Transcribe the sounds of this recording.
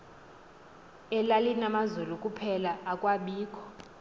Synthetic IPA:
ɛlalinamazulukʼupʰɛlaakʼwaɓiːkʰʼɔ̥

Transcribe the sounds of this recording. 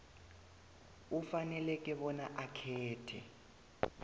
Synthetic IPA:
ufanɛlɛk̬ʼɛɓɔnaʔakʰɛːtʰɛ̰

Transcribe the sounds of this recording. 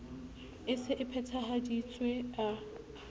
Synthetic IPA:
ɪsɪʔɪpʰɛtʰaɦadit͡sʼwea

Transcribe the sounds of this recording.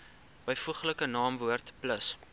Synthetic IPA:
bəjfuχləkənɑːmvuərtpləs

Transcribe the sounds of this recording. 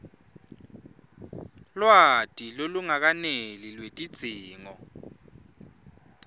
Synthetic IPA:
lwatʼiloluŋak̬anelilwetʼid̥z̥ʱiːŋɔ

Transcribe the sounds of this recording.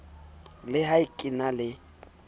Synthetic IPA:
lɪɦaikʼɪnalɪ

